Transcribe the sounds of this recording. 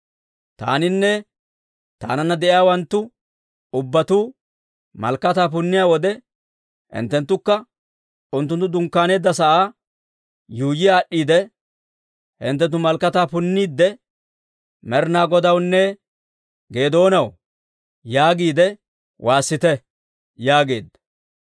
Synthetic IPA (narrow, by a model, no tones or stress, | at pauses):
t̪a̰ːnɪnːɛ | t̪a̰ːnɐnːɐd̪ɛʔɪjaːwɐnt̪ːʊ | ʊbːɐt̪uː | mɐ̰lkːɐt̪aːp̬ʊnːɪjaːwɔd̪ɛ | hɪ̰nt̪ːɛnt̪ːʊkːɐ | ʊnt̪ːʊnt̪ːʊd̪ʊŋkːaːne̞ːd̪ːɐsɐʔaː | juːjɪjaːɗːiːd̪ɛ | hɪ̰nt̪ːɛnt̪ːʊmɐlkːɐt̪aːpʊnːiːd̪ːɛ | mɛɾnaːɡɔd̪ɐwnːɛ | ɡe̞ːd̪o̞ːnɐw | jaːɡiːd̪ɛ | wʔaːsːɪt̪ɛ | jaːɡe̞̰ːd̪ɐ